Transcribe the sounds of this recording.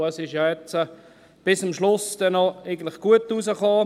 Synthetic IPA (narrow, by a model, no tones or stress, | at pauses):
əsɪʃjɑjɛt͡sə | b̥ɪsʊmʃlʊsd̥ɛnːɔeɪɡən̩tlɪχɡ̥uətːusəχoː